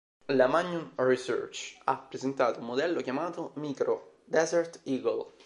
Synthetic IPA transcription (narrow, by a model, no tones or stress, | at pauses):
lamaɲːunrisø̰rt͡ʃapːɾezent̪aːt̪oumːod̪ɛlːokjamaːt̪omiːkɾo | d̪ɛzert̪iːɡol